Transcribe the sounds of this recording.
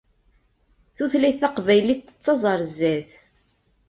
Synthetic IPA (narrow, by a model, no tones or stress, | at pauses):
θuθlæjθɑqvæjliθə̥t͡sːɑzˤɑɾˤzːæθ